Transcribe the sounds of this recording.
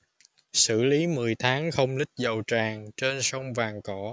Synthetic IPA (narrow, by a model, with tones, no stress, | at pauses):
sɨ̰˧˩li˨˦mɨ˨˩əjt̪ʰaː˨˦ŋxə˧wŋ͡mlï˦˥k̟̚zə˨˩wt͡ɕaː˨˩ŋt͡ɕe˧nsə˧wŋ͡mvaː˨˩ŋkɔ˧˩˦